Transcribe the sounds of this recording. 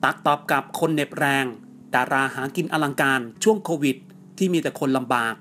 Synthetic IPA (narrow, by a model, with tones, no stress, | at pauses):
t̪a˨˩k̚t̪ɔː˨˩p̚ka˨˩p̚kʰo˧nːe˨˩p̚ɾɛː˧ŋ | daː˧ɾaː˧ɦaː˩˦ki˧nʔa˧la˧ŋkaː˧nt͡ɕʰu˥˩əŋkʰoː˧wi˨˩t̪̚ʰːiː˥˩miː˧t̪ɛː˨˩kʰo˧nla˧mbaː˨˩k̚